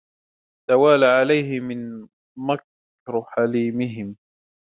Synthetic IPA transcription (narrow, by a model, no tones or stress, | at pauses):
t̪awaːlaʕalajɦɪmɪn | mak | ɾħaliːmɪɦɪm